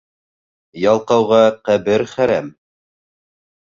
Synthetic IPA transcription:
jɑlˠqɑwʁɑqæbɘɾχæɾæm

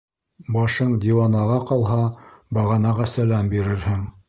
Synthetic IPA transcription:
bɑʃɤɴd̪ʲiwɑnɑʁɑqɑlˠɦɑbɑʁɑnɑʁɑsælæmbiɾɘɾhɘŋ

